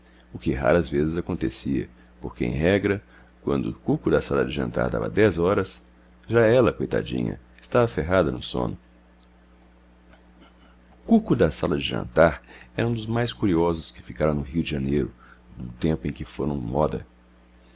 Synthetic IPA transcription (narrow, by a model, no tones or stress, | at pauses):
ʊkɪɦa̰ɾɐzvezɪzakõnt̪esiɐ̰ | poɾkeḛ̃ɦɛɡɾɐ | kwɐ̃nd̪ʊʊkukʊd̪ɐsalɐd͡ʒɪʒɐ̃nt̪a̰ɾd̪a̰vɐ̰d̪ɛzɔɾɐs | ʒaɛlɐkojt̪a̰d͡ʒḭ̃ɲɐ̰ | ɪst̪avɐfeɦad̪ɐnʊsõ̰nʊ | ʊkukʊd̪ɐsalɐd͡ʒɪʒɐ̰̃nt̪aɾɛɾɐũd̪ʊzmajskuɾiɔzʊskɪ̥fikaɾɐ̃w̃nʊɦiʊd͡ʒɪʒɐnejɾʊ | d̪ʊt̪ẽmpʊẽj̃kɪfoɾɐ̃w̃mɔd̪ɐ̰